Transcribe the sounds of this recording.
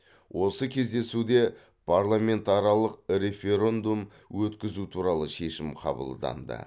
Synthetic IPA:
wʔo̞səkʲʰe̞zd̪e̞sud̪e̞ | pʰarlˠamʲe̞nt̪ɑɾɑlˠəqɾe̞fʲe̞ɾe̞nd̪um | wɵt̪kʲɪzut̪ʰuɾɑlˠəʃe̞ʃɪmqʰɑ̰bə̰lˠd̪ɑ̰nd̪ə̰

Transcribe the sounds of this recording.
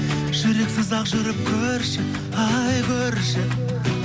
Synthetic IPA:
ʒ̥ɵɾe̞ksɪzɑqʒɵɾɪp̚kʲʰɵɾʃɪ | ɑjkʲʰɵɾʃɪ

